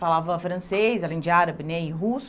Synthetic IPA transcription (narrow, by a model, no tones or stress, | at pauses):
falavɐfɾɐ̃sejsalẽj̃d͡ʒɪaɾɐbɪnɛɪɦus